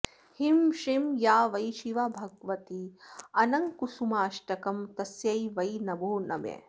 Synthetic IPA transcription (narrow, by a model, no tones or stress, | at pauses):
himʃimjaːʋɐjʃiʋabʱɐɡʋɐt̪iɐnɐŋkusumaːʃʈɐkɐmt̪ɐsjɐjʋɐjnɐboːnɐ̰ʋḛ